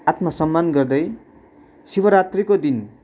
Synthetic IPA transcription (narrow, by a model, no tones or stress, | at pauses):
at̪masʌmːanɡʌrd̪ʌj | sibʌɾat̪rikod̪in